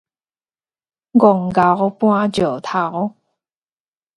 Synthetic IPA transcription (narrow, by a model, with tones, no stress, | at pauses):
ɡɔ˨˩ŋɡa˨˦ɣpw̃ã˦t͡ɕjo˨˩t̪ʰa˨˦ɣ